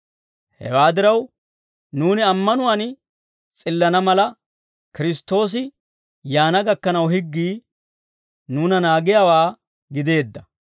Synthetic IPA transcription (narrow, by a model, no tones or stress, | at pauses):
hɛ̰waːd̪ɪɾɐw | nuːnɪɐmːɐnʊwaːn | t͡sʼɪlːɐnɐmɐlɐ | kɪɾɪst̪ːo̞ːs̬ɪ | jaːnɐɡɐkːɐnɐwhɪɡːiː | nuːnɐnaːɡɪjawaː | ɡɪd̪e̞ːd̪ːɐ